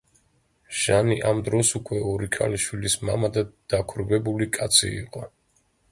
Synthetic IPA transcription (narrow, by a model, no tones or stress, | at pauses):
ʒ̥aniʔamd̪ɾɔsukʰʼwɛɔɾikʰʼa̰liʃwilisma̰mad̪ad̪̥akʰɾvɛbulikʼat̪sʰḭḭqʼɔ